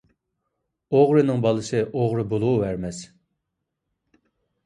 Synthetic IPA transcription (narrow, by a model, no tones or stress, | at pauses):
oʁɾɨnɨŋbɑlˠɨsɨʔoʁɾɨbolˠuuvæɾmɛs